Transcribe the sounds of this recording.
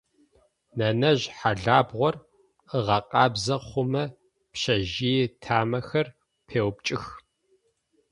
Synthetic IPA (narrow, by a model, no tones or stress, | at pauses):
nɐnɐʑħaɮaːbʁʷɔr | əʁɐqʼɑːbzɐχʷʊmɐ | pʃɐʒitʰaːmɐxɐr | pʰeːwp̚t͡ʃʼɪx